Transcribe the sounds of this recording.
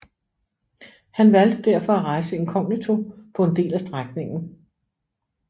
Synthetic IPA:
hænʋæl̰d̥əd̥æɐ̰fɒ̽æʁɑ̈ɪsəe̝nkʰɒ̽ŋnit͡sʰo̝pʰɒ̽e̝nd̥e̝̰ːlæsd̥ʁaɡ̥ne̝ŋn̩

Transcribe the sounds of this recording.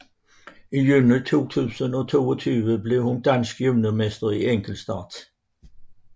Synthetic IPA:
ijyːnit͡sʰo̝̰ːt͡sʰʉːsənɒt͡sʰo̝ːɔt͡sʰyːʋəble̝ʊhund̥ænsɡ̥jøʋnəmesd̥ɐieŋɡ̥l̩sd̥ɑ̰ːd̥

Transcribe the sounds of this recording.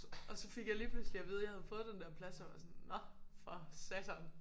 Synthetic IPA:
ɒ̽sɒ̽feɡ̥jɑ̈ɪliːpʰlʉslijɑʋið̞ˠjhæðˠfɔ̽ːðˠd̥end̥ɛɐpʰlæsjɑʋɑ̈sɔnːɒ̽fʁɑsæt͡sʰɐn

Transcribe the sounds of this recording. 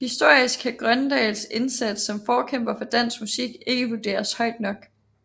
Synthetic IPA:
hisd̥o̝ɐ̰isɡ̥ʰæɡ̥ʁɶnd̥ɛ̰ːlse̝nsæd̥sɒ̽mfɒːkʰem̰b̥ɐfɒ̽d̥æn̰smusiɡ̥e̝ɡ̥əʋud̥e̝̰ːɐshɒ̽ɪ̰d̥nɒ̽ɡ̥

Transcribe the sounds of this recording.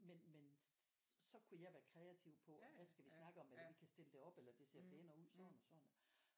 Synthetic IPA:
menmen | sɒ̽kʰujɑ̈ɪʋæːɐkʰʁɛæt͡sʰiʊpʰɒ̽ʋæsɡ̥æʋisnɑ̈ɡ̥əɒ̽melɐʋikʰæsd̥e̝ləd̥e̝ɒ̽b̥elɐd̥e̝se̝ɐ̰pʰeːnɐuð̰ˠsɒnɒsɒ̽n̰n

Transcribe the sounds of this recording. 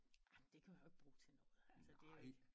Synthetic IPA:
amnd̥e̝kʰæʋieɡ̥̚b̥ʁuːt͡sʰe̝lnɔ̽ːð̩ˠælsəd̥e̝æɡ̥

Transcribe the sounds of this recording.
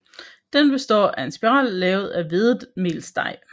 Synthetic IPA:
d̥enb̥e̝sd̥ɒ̰ːʔæe̝nsb̥iʁɑ̰ːlːɛːʊð̞̩ˠæʋe̝ðˠme̝̰lsd̥ɑ̈ɪ̰

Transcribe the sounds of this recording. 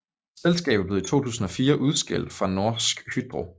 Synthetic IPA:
selsɡ̥ɛ̰ːb̥̩ˠb̥le̝ð̩ˠit͡sʰo̝̰ːt͡sʰṵːsn̩ɒ̽fiːɐʔuð̞ˠsɡ̥el̰d̥fʁɑ̈no̝ɐ̰sɡ̥hyd̥̚b̥ʁo̰ː

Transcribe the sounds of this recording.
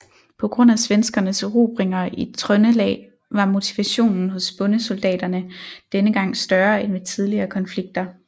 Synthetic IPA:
pʰɒ̽ɡ̥ʁɔ̽n̰æsʋensɡ̥ɐnəsʁṵːb̥ʁeŋɐit͡sʰʁœnəlɛ̰ː | ʋɑ̈mo̝t͡sʰiʋæɕo̝̰ːnn̩ɦɔ̽sb̥ɔ̽nəsold̥ɛ̰ːd̥ɐnəd̥enəɡ̥ɑ̈ŋ̰sd̥ɶɐenʋet͡sʰið̞ˠliɐːkʰɒ̽nfliɡ̥̚d̥ɐ

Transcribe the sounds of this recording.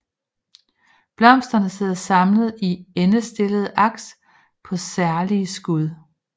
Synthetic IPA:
b̥lɒ̽m̰sd̥ɐnəse̝ð̰ˠɐsɑ̈mləð̩ˠienəsd̥e̝ləð̞̩ˠʔɑ̈ɡ̥s | pʰɒ̽sæɐliəsɡ̥uð̞ˠ

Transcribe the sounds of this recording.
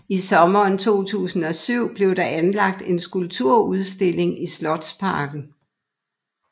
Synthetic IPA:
isɒ̽mɐːnt͡sʰo̝̰ːt͡sʰṵːsn̩ɒ̽syʊ̰b̥le̝ʊɾɑ̈ʔænlɑ̈ɡ̥̚d̥e̝nsɡ̥ulb̥t͡sʰuɐ̰uð̞ˠsd̥e̝le̝ŋislɒ̽d̥spʰɑ̈ːɡ̥n̩

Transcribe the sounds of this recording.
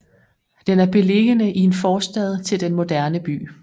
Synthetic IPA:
d̥enæɐb̥e̝le̝ɡ̥ənəʔie̝nfɒːsd̥ɛð̰ˠt͡sʰe̝ld̥enmo̝d̥æɐnəb̥y̰ː

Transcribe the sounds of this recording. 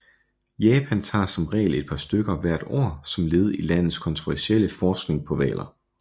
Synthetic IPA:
jɛːpʰænt͡sʰɑ̰̈ːsɒ̽mʁɛ̰ːle̝d̥̚pʰɑ̈sd̥øɡ̥ɐʋæɐ̰d̥o̰ɐ̰sɒ̽mle̝ːð̞̩ˠilæn̰ð̩ˠskʰɒ̽nt͡sʰʁuʋæɐsieləfɒːsɡ̥ne̝ŋpʰɒ̽ʋɛ̰ːlɐ

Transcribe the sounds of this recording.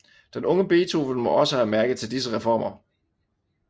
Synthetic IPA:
d̥enɔ̽ŋəb̥e̝ːt͡sʰo̝fn̩mɒ̽ɒ̽səhæɐmæɐɡ̥ət͡sʰe̝ld̥isəʁɛfɒ̰ːmʔɐ

